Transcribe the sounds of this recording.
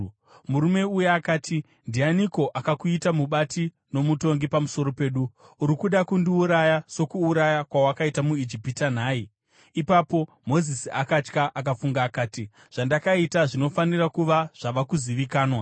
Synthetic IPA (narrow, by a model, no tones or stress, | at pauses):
muɾume̞ujeakaːtʰi | ndianiko̞ʔakakuitamuɓatʰi | no̞muto̞ŋɡipamuso̞ɾo̞pe̞ːɗu | uɾikuɗakundiuɾajaso̞kuːɾajakwawakaitamuid͡ʒipitan̤aːiː | papo̞ | mo̞zisiakat͡ʃkaʔakafuŋɡaːkaːti | ʐ̥andakaitaʐino̞fanirakuʋaʐ̥aʋakuziʋikaːnwa